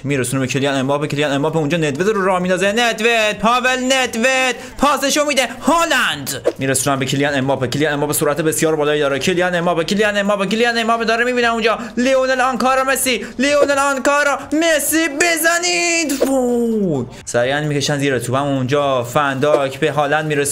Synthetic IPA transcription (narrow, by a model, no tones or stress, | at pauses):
miːɾesuːnebecʰelijænemɒːpekʰilijænemːɒːpʰeũnd͡ʒɒːned̪vezɾoɾɒːhmiːd̪ɒːzened̪ved̪̚pʰɒːvelned̪ved̪̥ | pʰɒːseʃomiːd̪ehɔːlænd̪miːɾesuːnænbecʰilijænemːɒːpeckʰilijænemːɒːbesuːɾʔæt̪ʰebesjɒːɾbɒːlɒːiːd̪ɒːɾekʰelijænemːɒːpekʰilijænemːɒːpekiljænemːɒːped̪ɒːɾemiːbiːnæund͡ʒɒː | lionelɒnkɒːɾɔmeslilionelɒnkɒːɾɔmeslibezænid̪bu | sæɾiænmiːceʃænziːɾet̪ʰuːbæmund͡ʒɒːfænd̪ɒːkʰbeɦɒːlænd̪miːɾes